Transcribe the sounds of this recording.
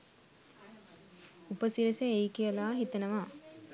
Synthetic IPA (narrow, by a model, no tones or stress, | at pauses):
upəsiɾəseejkijəlaːɦit̪ənəʋa